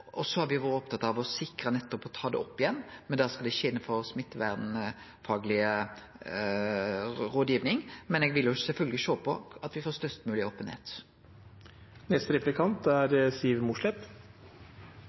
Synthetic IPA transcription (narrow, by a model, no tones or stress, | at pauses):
ʔɔsɔhɑɾʋɪʋɑːɾəɔp̚t̪ʰɑt̪ːɑʋɔsɪkɾənɛt̪ːɔpɔt̪ʰɑːd̪ɛ̰ɔpːɪjɛnːmɛnd̪ɑːskɑld̪ɛɪçəɪnːəfɔɾsmɪt̪ːʋæd̪n | fɑːɡlɪə | ʁoːd̪jiːʋnɪŋmɛnɛːɡʋɪljʊsɛlfœlɡəlɪʃoːpʰɔɑt̪ʋɪfoːɾst̪œst̪mʉːlɪoːpənhḛːt̪ | nɛst̪ɾɛplɪkʰɑnt̪æɾsiːʋmʊʂlɛp